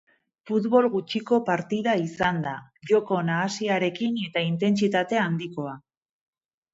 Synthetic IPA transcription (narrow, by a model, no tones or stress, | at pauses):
fut̪βo̞lɣut͡ʃiko̞paɾt̪iðaisand̪aʝo̞ko̞naːsiaɾe̞kine̞t̪aint̪e̞nt͡sit̪at̪e̞and̪iko̞a